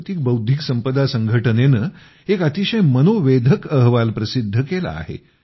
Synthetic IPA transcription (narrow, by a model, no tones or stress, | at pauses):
t̪ik̚bəwd̪ʱiksəmpəd̪asəŋɡʱəʈənenə | ekət̪iɕəjmənoʋed̪ʱəkəɦʋalpɾəsid̪ʱːəkela̰ɦḛ